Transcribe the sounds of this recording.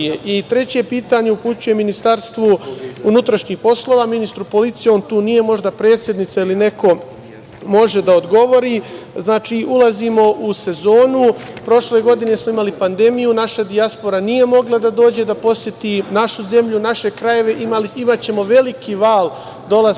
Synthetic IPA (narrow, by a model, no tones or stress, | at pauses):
eʔit̪ɾe̞t͡ɕe̞piːt̪aɲe̞uput͡ɕuje̞minist̪aɾst̪ʋounut̪ɾaʃɲixpo̞slo̞ʋaːminist̪ɾupo̞lit̪sijeoːnt̪uːnije̞mo̞ʒd̪apɾe̞ːt̪sjed̪nit̪sailine̞ko̞ | mo̞ʒe̞d̪ao̞d̪ɡo̞ʋo̞ɾiː | znaːt͡ʃiːʔulaziːmo̞ʔuse̞zo̞ːnupɾo̞ʃle̞ɡo̞d̪ine̞smo̞imalipand̪e̞mijunaʃad̪iaspo̞ɾanije̞mo̞ɡlˠad̪ad̪o̞ːd͡ʑe̞d̪apo̞sje̞t̪inaʃuze̞mʎunaʃe̞kɾaje̞ʋe̞ʔimaliimat͡ɕe̞mo̞ʋe̞likiʋaːl | d̪o̞la